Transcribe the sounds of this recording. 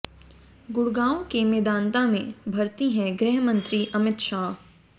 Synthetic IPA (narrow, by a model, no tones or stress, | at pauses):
ɡʊɽɡaːõkemeːd̪ãːnt̪amẽbʱɐɾt̪iɦɛ̃ɡɾeɦmə̃nt̪ɾiʔɐmɪt̪ʃaːɦ